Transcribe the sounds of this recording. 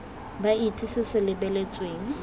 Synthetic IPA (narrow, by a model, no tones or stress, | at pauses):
baitʰisɪsɪlɪbɛlɛt͡sʼweːŋ̩